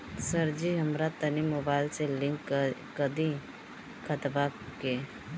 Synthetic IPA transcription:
səɾd͡ʒiɦəmɾat̪ənimoːbaːɪlselɪ̃ŋkː | əd̪ĩ | kʰət̪bake

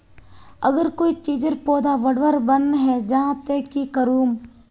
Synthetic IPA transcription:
ə̰ɡəɾkoːit͡ʃiːd͡ʒəɾpoːd̪aʋɐɽʋəɾbənɦɛd͡ʒãt̪eːkikəɾuːm

